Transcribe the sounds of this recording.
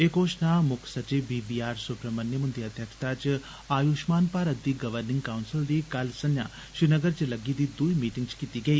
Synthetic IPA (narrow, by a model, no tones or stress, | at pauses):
eːkoːʃnamʊkʰsət͡ʃiʋbiːbiːaːɾsʊpɾəmənːjəmʊnd̪iɐd̪ʱjəkʃt̪ʰaːt͡ʃ | aːjuːʃmaːnpaːɾət̪̚d̪iːɡɐʋəɾnɪ̃ŋɡkaʊnsɪld̪iːkɐlsɐnja̰ː | ʃɾinəɡəɾt͡ʃelɐɡid̪iːd̪uimiːʈɪ̃ŋɡt͡ʃkit̪iɡɐiː